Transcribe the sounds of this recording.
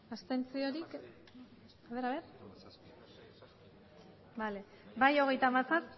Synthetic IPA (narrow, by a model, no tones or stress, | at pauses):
ast̪ent͡sioɾik | aβeɾaβeɾ | bale̞ | bajo̞ɣe̞jt̪aːmasas